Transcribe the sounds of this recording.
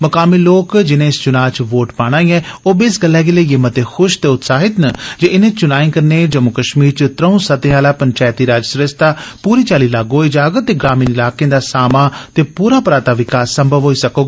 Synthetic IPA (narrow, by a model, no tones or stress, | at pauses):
məkaːmiːloːkd͡ʒɪnẽːɪst͡ʃʊnaːt͡ʃʋoːʈpaːɽ̃aːiːɛːoːbesɡəlːɛːɡeleɪmət̪exʰʊʃt̪eːʊt̪saːɦɪt̪nəd͡ʒeɪnẽːt͡ʃʊnaːĩːkəɾneːd͡ʒəmʊkəʃmiːɾt͡ʃət̪ɾəũːsət̪ẽːaːlaːpəɲt͡ʃaːjt̪iːɾaːd͡ʒsɾəst̪aːpuːɾiːt͡ʃaːliːlaːɡɦoːiːd͡ʒaːɡət̪ːeːɡɾaːmiːnɪlaːkẽːd̪aːsaːmaːt̪eːpuːɾaːpəɾaːt̪aːʋɪkaːsːəmbʱəʋɦoːiːsəkoːɡaː